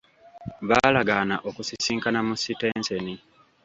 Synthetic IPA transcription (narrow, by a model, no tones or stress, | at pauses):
βaːlaɡaːnaʔo̞kusisiːŋkanamusite̞ːnse̞ni